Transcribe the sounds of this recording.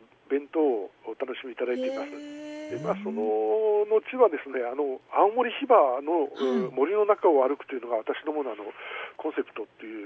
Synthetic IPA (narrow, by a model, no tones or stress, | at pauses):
bẽ̞nt̪o̞ːt̪ano̞ɕimiit̪ad̪ait̪e̞imasɨd̪emaːso̞nono̞t͡ɕiβad̪e̞sɨne̞ano̞ãõmo̞ɾʲiçibano̞mo̞ɾʲino̞nakaoβaɾɯ̟kɯ̟̥t̪o̞jiɯ̟no̞ɡaβat̪aɕid̪o̞mo̞noano̞kõɰ̃se̞pɯ̟̥t̪o̞t̪ːe̞jɯ̟ː